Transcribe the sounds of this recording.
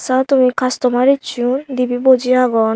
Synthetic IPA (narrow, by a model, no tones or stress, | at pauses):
sat̪umikʰast̪ɔmaɾit͡ɕʰund̪ibibod͡ʑiɾaɡɔ